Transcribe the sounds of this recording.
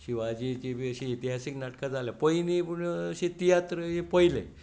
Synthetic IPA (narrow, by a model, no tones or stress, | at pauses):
ɕiʋad͡ʑit͡ɕiəɕẽit̪iɦasiknaʈkad͡zaljapəjniəɕet̪ijat̪ɾəɦepəjlḛ